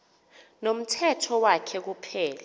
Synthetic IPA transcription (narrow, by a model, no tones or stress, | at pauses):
nom̩tʰɛtʰɔwakʰɛk̬upʰɛːla